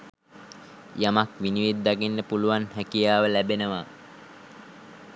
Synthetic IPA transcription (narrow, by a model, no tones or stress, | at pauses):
jamakʋiniʋid̪ːaɡinːəpuluʋanhækijaːʋəlæbenəʋa